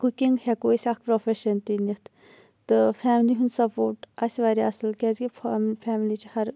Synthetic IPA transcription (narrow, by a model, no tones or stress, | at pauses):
kukiŋɡhɛkoːisʲɐkʰpɾofʰeʃənt̪init̪ʰ | t̪ɨfʰɛːmliɦund̪sɐpoːɾʈɐsʋaːɾiɐsəlkɛːzɡipʰːmpʰɛːmlit͡ʃhɐɾ